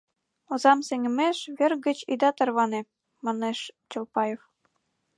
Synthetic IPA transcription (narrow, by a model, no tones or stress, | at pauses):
ŏzɑmseŋʲɘ̆meʃβʲĕrɡə̆t͡ɕid̪ɑt̪ɤ̆rβɑne | mɑneʃt͡ɕŏlpɑjef